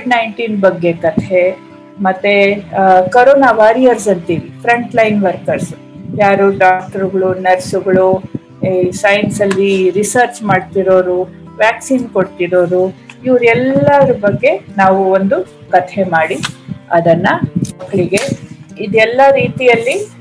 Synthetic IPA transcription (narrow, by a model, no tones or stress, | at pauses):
oiɖnɐjɳʈiːnbɐɡːe̞kɐt̪ʰɦe̞ | mɐt̪ːekɐɾoːnaʋaːɾijɐɾs̬ɐnt̪iːɾipʰɾɐɳʈlɐjnʋɐɾkɐɾs | jaːɾuɖaːk̚ʈɐɾuɡɐɭunɐɾsuɡɐɭu | sɐjnsɐlːiɾisɐɾt͡ʃmaːɽt̪iɾo̞ːɾu | ʋjaːksiːnkoɽt̪iɾo̞ːɾuiʋɾɛlːɐɾubɐɡːe̞naːʋuond̪u | kɐt̪ʰe̞maːɽiɐd̪ɐnːɐmɐkːɐɭiɡe̞id̪ɛlːɐɾiːt̪ijɐlːi